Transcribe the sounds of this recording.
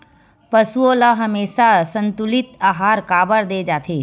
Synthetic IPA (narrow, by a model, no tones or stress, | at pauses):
pəsuoləɦɐmeːʃasə̃nt̪ʊlɪt̪aːɦaːɾkaːbəɾd̪eːd͡ʒaːt̪ʰeː